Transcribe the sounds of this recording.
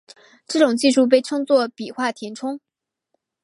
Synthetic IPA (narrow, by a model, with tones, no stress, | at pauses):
ʈ͡ʂɤ˥˩ʈ͡ʂʊ˨˩ŋt͡ɕi˥˧ʂu˥˧p̬e˥˧ɪʈ͡ʂʰɤ˥ŋt͡swɔ˥˩pi˨˩xwa˥˩t̪ʰjɛ˧˥nʈ͡ʂʰʊ˥ŋ